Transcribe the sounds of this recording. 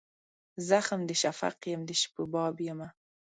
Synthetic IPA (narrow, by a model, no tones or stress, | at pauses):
zaxəmd̪əʃafa̰qjəmd̪əʃpəbɑbjəma